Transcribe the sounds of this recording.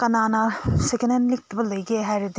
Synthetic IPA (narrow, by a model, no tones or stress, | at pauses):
kɐnanɐsikenenlik̚tʰɐbɐlɐjɡeɦajɾedi